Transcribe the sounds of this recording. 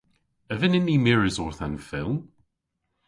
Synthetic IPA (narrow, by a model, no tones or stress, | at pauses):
əvənɪnːimɪɹɪzɔɹθãnfɪlˠm